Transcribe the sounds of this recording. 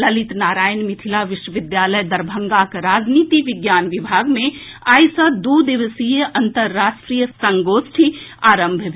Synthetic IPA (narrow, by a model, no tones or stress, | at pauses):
lɐlɪt̪naːɾaːjnmɪt̪ʰilaʋɪʃwəʋɪd̪jaːləjd̪ɐɾbʱə̃ŋɡakɾaːd͡ʒniːt̪iʋɪɡjaːnʋɪbʱaːɡmẽ | aːjsɐd̪uːd̪ɪʋəsijəʔɐnt̪əɾːaːʃʈɾijəsɐ̃ŋɡoːsʈʰiaːɾə̃mbʱb